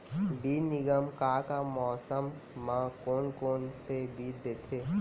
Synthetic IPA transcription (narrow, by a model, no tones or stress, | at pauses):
biːnɪɡəmkaːkamɔːsəmːãkoːnkoːnsebʱiːɾd̪eːt̪ʰeː